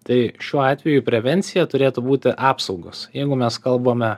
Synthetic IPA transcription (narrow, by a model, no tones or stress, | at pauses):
t̪ɐɪʃʲuɔɑːt̪ʲʋʲɛjʊpʲɾʲɛʋʲɛnʲt̪sʲɪjɛt̪ʊɾʲeːt̪ʊbuːt̪ʲɪʔɑːpsɐʊɡoːsjɛɪɡʊmʲɛskɐlˠboːmʲɛ